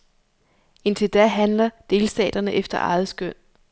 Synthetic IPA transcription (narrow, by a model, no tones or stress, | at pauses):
e̝nt͡sʰe̝ld̥æɦænlɐd̥e̝ːlsd̥ɛ̰ːd̥ɐnəʔefd̥ɐʔɑ̈ːð̩ˠsɡ̥øn̰